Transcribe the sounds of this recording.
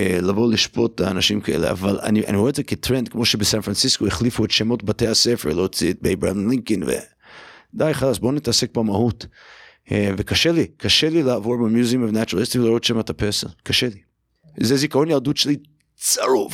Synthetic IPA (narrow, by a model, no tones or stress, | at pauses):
elavoliʃpo̞tlaanaʃimkaʔelḛʔa̰vala̰niʔa̰nioezeketɾendkmo̞ʃebesanfɾansiskoeχlifuetʃemo̞tbateasefeɾlot͡sit̚bejba̰dnliŋkinvḛ | d̪ajχalasbo̞nit̪asek̚bamahut | vekaʃelikʰaʃelilaavoɾbemjuzimovnat͡ʃuɾalist̪ilaɾotʃemat̪apesa̰lkaʃeli | zezikaonjaldutʃeli | t͡saɾuv